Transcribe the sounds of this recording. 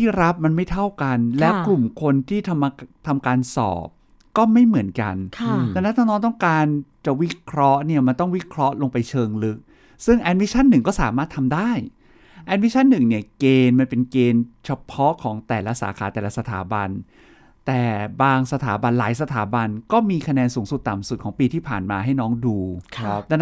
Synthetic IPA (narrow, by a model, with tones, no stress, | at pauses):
t̪ʰiː˥˩ɾa˦˥p̚ma˧nma˥˩jt̪ʰa˥˩wka˧nlɛː˦˥wklu˨˩mkʰo˧nt̪ʰiː˥˩t̪ʰma˧t̪ʰa˧mkaː˧nsɔ̰ː˨˩p̚ | kɔː˥˩ma˥˩jmɯ˩˦ənka̰˧nʰlɛː˧˩na˦˥aː˥˩nɔː˦˥t̪ɔ˥˩ŋkaː˧nt͡ɕa˨˩wi˦˥kʰɾɔ˦˥ʔni˥˩ɐma˧nt̪ɔ˥˩ŋwi˦˥kʰɾɔ˦˥ʔlo˧ŋpa˧jt͡ɕʰɤː˧ŋlɯ˦˥k̚ | sɯ˥˩ŋʔɛ˧t̪̚mi˦˥t͡ɕʰa˥˩nːɯ˨˩ŋkɔː˥˩saː˩˦maː˥˩t̪ʰːa˧mdaː˥˩j | ʔɛ˦˥t̚mi˦˥t͡ɕʰa˥˩nːɯ˨˩ŋni˥˩ɐkeː˧nma˧npe˧nkeː˧nt͡ɕʰa˧pʰɔ˦˥ʔkʰɔː˩˦ŋt̪ɛː˨˩la˦˥sa̰ː˩˦kʰaː˩˦t̪ɛː˨˩la˦˥sa˧t̪ʰa̰ː˩˦ba˧n | t̪ɛː˨˩baː˧ŋsa˧t̪ʰaː˩˦ba˧nlaː˩˦jsa˧t̪ʰaː˨˩˦ba˧nkɔː˥˩miː˧kʰa˧nɛː˧nsuː˩˦ŋsu˨˩t̪ːa˨˩msu˨˩kʰɔː˩˦ŋpiː˧t̪ʰiː˥˩pʰaː˨˩nmaː˧ɦa˥˩jnɔː˦˥ŋduː˧